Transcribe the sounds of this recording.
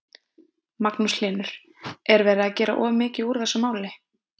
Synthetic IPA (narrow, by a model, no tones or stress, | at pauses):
maknuslɪːnʏɾ̥ | ɛɾvɛːɾɪacɛːɾa̰ʔɔːvʏmɪːcɪuɾ̥θɛsːamaːwlɪ